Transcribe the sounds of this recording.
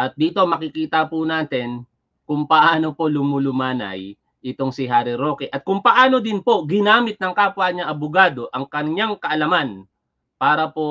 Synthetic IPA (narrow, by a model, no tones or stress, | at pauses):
ʔɐt̪̚d̪iːt̪o̞mɐkɪkiːt̪ɐpʊnaːt̪ɛn | kʊŋpɐʔaːno̞po̞lʊmʊlʊmaːnɐ̰j | ʔɪt̪o̞ŋsɪɦaːɾɪɾo̞ːkɛʔɐt̪̚kʊŋpɐʔaːno̞d̪ɪnpo̞ɡɪnaːmɪt̪̚nɐŋkaːpʊaɲɐʔɐbʊɡaːd̪o̞ʔɐŋkɐɲɲaŋkɐʔɐlɐman | paːɾɐpo̞